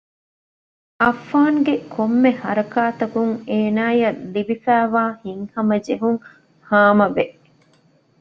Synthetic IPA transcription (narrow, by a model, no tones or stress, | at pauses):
ʔɐfːaːŋɡekʰomːehɐɾɐkaːt̪ɐkuŋeːnaːjɐlːibifæːʋaːhiŋhɐmɐd͡ʒeɦuŋ | haːmɐʋeʔ